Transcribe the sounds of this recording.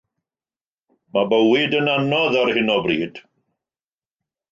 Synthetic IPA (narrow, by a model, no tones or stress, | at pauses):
mabəwɪdənanɔðarhɪnɔbriːd̥